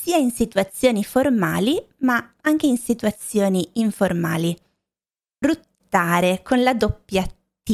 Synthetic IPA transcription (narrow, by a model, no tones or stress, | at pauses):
siːainsit̪uat̪sːjoːniforma̰ːlimaaŋk̟einsit̪uat̪sːjoːniːɱforma̰ːli | rut̪ːaːɾekonlad̪opːja | i